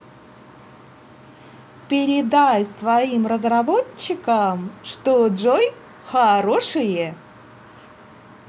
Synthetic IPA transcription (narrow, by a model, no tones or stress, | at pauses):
pʲɪɾʲɪd̪ajsvɐimrəzrɐboːɪkəmʂt̪oʐoj | xɐɾo̞ʂɨje